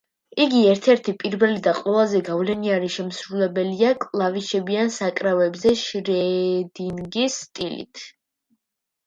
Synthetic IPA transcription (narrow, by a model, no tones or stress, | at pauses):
iɡiɛɾt̪ʰɛɾt̪ʰipʼiɾbɛlid̪aqʼwɛlˠazɛɡavlɛniaɾiʃɛmsɾulɛbɛliakʼlˠaviʃɛbiansakʼɾavɛbzɛʃɾɛd̪inɡisːt̪ʼilḭt̪ʰ